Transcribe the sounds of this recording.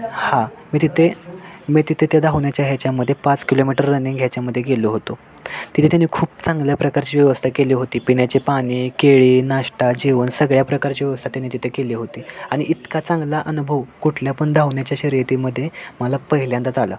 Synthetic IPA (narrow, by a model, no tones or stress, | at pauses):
hãmiːt̪it̪ʰemit̪it̪ʰit̪ʰed̪aʋɳjat͡ɕjaɦjat͡ɕjaməd̪ʱjepat͡skilomiʈəɾːəniŋɡʱjat͡ɕjaməd̪ʱːjeɡeloɦot̪o | t̪it̪ʰet̪janikʰuːp̚t͡sãŋɡljapɾəkaɾt͡ɕiːʋjəʋəst̪ʰakeliːɦot̪iːpiɳjat͡ɕepaɽ̃iːkeɭiːnaʂʈad͡ʑiʋənsəɡɭjapɾəkaɾt͡ɕiːʋjəʋəst̪ʰat̪janiːt̪it̪ʰekeliːɦot̪iːaɽ̃iʔit̪kat͡sãŋɡlaʔənubʱəʋkuʈʰljapəɳd̪aʋɳjat͡ɕjaɕiːɾet̪iːməd̪ʱːjeməlapəɦiljãnt̪ad͡zala̰